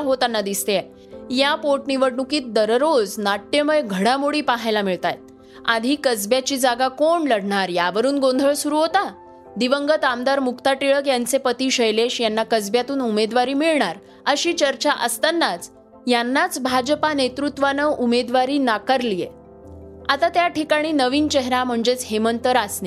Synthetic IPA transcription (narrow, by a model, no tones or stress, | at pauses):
ɦot̪anːad̪ist̪ee | japoɾʈniʋəɽɳukiːt̪̚d̪əɾɾod͡znaʈːeməjɡʱəɽamoɽiːpaɦajlamiɭt̪a̰jt̪̚ | a̰d̪ʱiːkəd͡zbjat͡ɕiːd͡zaɡakoɳləɽɳaɾjaʋəɾuːnɡond̪ʱəɭsuɾuːɦot̪a | d̪iʋəŋɡət̪amd̪aɾmukt̪aʈiɭəkjant͡sepət̪iːɕəjleɕjanːakəd͡zbjat̪uːnumed̪ʋaɾiːmiɭɳaɾ | əɕiːt͡ɕəɾt͡ɕaʔəst̪ənːat͡s | janːat͡sbʱad͡ʑpanet̪ɾut̪ʋanəʔumed̪ʋaɾiːnakaɾlijḛ | at̪at̪jaʈʰikaɽ̃iːnəʋiːnt͡ɕeɦɾam̤əɳd͡zet͡sɦemənt̪əɾasne